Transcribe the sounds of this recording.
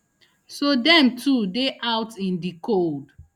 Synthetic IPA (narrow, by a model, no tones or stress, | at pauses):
sodɛ̃mtʰudeʔaʊtĩndikʰold